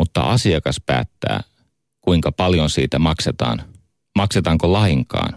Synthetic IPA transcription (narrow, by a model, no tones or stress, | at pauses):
ut̪ːɑ̰ʔɑsiɑkɑspæ̰ːt̪ːæ̰ː | kuiŋkɑpɑljonsḭːt̪æmɑkset̪ɑ̰ːn | mɑkset̪ɑːŋkolɑiŋkɑ̰ːn